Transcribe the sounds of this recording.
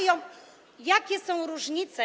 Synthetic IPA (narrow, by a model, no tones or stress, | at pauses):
jɔ̃ | jakʲɛsɐ̃w̃ɾuʒɲit̪sɐ